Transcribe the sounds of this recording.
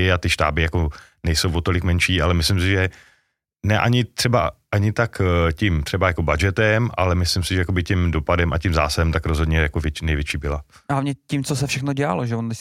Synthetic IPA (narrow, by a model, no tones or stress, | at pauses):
ɪat̪ɪʃt̪a̰ːbɪjako | nɛjsowvot̪o̞lɪkmɛnʃiːalɛmɪslɪmsɪʒɛ | nɛʔaɲɪt̪r̥ɛbaʔaɲɪt̪akcɪmt̪r̝̥ɛbajakobad͡ʒɛt̪ɛmʔa̰lɛmɪslɪmsɪʒɛjakobɪcɛmdopadɛmacɪmzaːsadɛmt̪akɾozɦo̞dɲɛjakovjɛnɛjvjɛt͡ʃiːbɪla | ɦlavɲɛcimt͡sosɛfʃɛxnoɟɛa̰loʒɛvonɛ